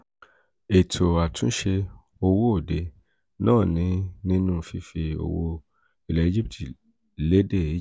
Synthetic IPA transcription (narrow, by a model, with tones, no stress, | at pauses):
e˨tʰo˨a˨tũ˦ʃe˧ | o˧wo˦o˦˨de˨ | nãː˦˨nĩ˨˦nĩ˦nũ˦˨fi˧˦fi˧o̰˨wo˧ | i˨lɛ˨i˨˦d͡ʒi˦p̚ti˨ | le˨˦de˦˨i˦